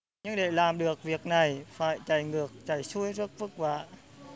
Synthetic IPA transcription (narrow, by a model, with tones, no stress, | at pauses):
ɲɨ˧ŋɗe˧˩laː˨˩mɗɨ˨˩ək̚vi˨˩ək̚na˨˩jfaː˧˩jt͡ɕa˧˩jŋɨ˨˩ək̚t͡ɕa˧˩jsu˧˥əjzɨ˦˥ək̚fɨ˦˥k̚va̰ː˧˨